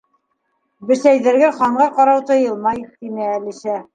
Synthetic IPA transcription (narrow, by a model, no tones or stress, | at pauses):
bɘ̆sæjðɘ̆ɾɡɘχɑɴɢɑqɑɾɑwt̪ɤ̆jɤ̆lˠmɑjt̪imæːliʃæ